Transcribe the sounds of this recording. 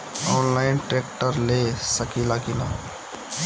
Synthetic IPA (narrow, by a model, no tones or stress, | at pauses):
ɔːnlaːɪnʈɾeːkʈəɾlesəkilakɪlaː